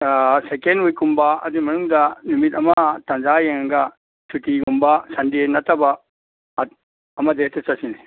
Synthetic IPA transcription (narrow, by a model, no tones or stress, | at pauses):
sekenujkumbaɐ̰d̪imɐnuŋd̪ɐnumit̪ɐmɐt̪ɐ̃nd͡ʒajɐŋŋɡɐ | t͡ʃʰutikumbasɐndienɐt̪ɐba | ɐmɐd̪et̪ɐsɐsine